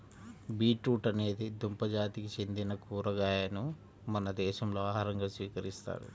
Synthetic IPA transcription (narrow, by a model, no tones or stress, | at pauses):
biːʈɾuːʈɐne̞ːd̪id̪umpɐd͡ʒaːt̪ikit͡ʃe̞nd̪inɐkuːɾɐɡaːjɐnu | mɐnɐd̪ɛːʃɐmlo̞ːaːɦɐɾɐŋɡaːsʋiːkɐɾist̪a̰ːɽṵ